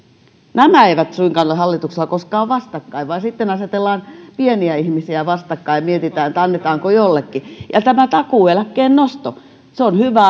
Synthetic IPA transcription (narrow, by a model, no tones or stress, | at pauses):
næmæeiʋæt̪suiŋkɑnːɑhɑlːit̪uksĕlɑkoskɑːʋʋɑst̪ɑkːɑiʋʋɑisit̪ːenɑset̪elːɑːnpieniæihmisiæʋɑst̪ɑkːɑiɑmiet̪it̪æːnet̪ɑnːet̪ɑːŋkojolːekːijɑ̰t̪æmæt̪ɑkuelækːˑeːnnost̪o | seonhyʋæ